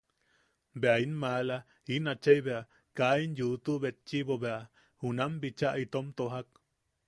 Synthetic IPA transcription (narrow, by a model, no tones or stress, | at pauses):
beainmala | inat͡ʃejbea | kainjut̪uβet͡ʃibobea | hunambit͡ʃaʔit̪omt̪oɦak